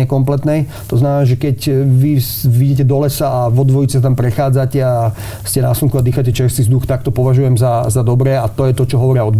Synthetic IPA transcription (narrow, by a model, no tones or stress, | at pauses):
ɛkɔmplɛt̪nɛj | t̪ɔznamɛnaːʒɛkɛcʋi | ʋiɟɛc̬ɛd̪ɔlɛsaaʋɔd̪ʋɔjit͡sɛsat̪̬ampɾɛxaːd͡zacɛa | scɛnaːsluŋkuad̪iːxacɛt͡ʃɛɾst̪izd̪uxt̪ak̚t̪ɔpɔʋaʒujɛmzazad̪ɔbɾɛːat̪ɔjɛt̪ɔt͡ʃɔɦɔʋɔɾɪaɔd̪̚b